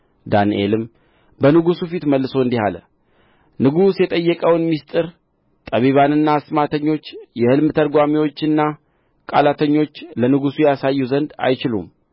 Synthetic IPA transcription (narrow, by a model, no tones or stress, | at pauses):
d̪anʔe̞̰lɨm | bənɨɡusufit̪məlːɨso̞ɨnd̪iha̰lə̰ | nɨɡusjɛt̪ʼəjːəkʼəwnmist̪ʼɨɾ | t̪ʼəβiβanɨnːasmat̪ʰəɲːo̞t͡ʃːjɛhɨlmɨt̪ʰəɾɡʷamiwo̞t͡ʃːɨnːa | kʼalat̪ʰəɲːo̞t͡ʃːlənɨɡusujɛjasajːuzənd̪a̰jt͡ʃɪlṵm